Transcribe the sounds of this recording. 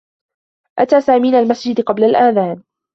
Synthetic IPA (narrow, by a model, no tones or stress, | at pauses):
ʔat̪aːsaːmiːnalmasd͡ʒɪd̪qɑblalʔaːðaːn